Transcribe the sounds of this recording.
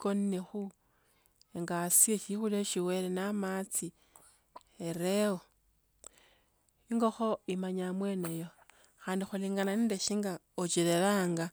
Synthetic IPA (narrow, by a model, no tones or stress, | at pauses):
konnexu | eŋɡasieʃixuleʃiwe̞ːlenamat͡si | eɾewo | iŋɡo̞xo̞imaɲamwe̞nejo̞ | xaːndixuliːŋɡananindeʃiːŋɡa | ot͡ʃileɾaːŋɡa